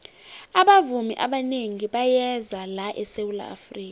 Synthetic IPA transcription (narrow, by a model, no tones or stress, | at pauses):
aɓavumiʔaɓaneŋiɓajɛzalaʔɛsewula̰ːfriːka